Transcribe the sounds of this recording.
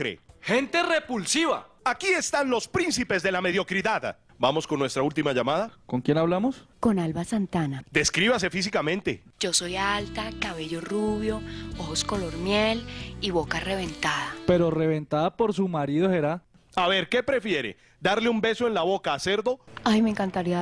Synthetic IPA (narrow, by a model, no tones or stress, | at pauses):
ɾḛhe̞nt̪e̞re̞pulsiβa̰akie̞st̪anlo̞spɾinsipe̞zd̪e̞lame̞ðjo̞kɾiðað | bamo̞skonːwest̪ɾault̪imaʝamaðako̞ŋkje̞naβlamo̞sko̞nalβasant̪anad̪eskɾiβas̬e̞fis̬ikamẽ̞nt̪e̞̰d͡ʒo̞sojalt̪akaβe̞ʝoruβjo̞ohosko̞lo̞ɾmjeliβo̞kare̞βe̞nt̪aðape̞ɾo̞re̞βe̞nt̪aðapo̞ɾsumaɾiðoheɾa | aβe̞ɾke̞pɾe̞fje̞ɾḛ | d̪aɾleumbe̞soe̞nlaβo̞kaːseɾd̪o̞ajmeŋkant̪aɾia